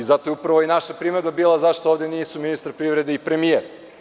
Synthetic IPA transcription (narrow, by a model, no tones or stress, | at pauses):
izat̪ojeupɾaʋojenaʃapɾimed̪babiːlˠazaʃt̪ooʋd̪ʲeniːsuminist̪ɾpɾiʋɾe̞d̪eipɾe̞mieɾ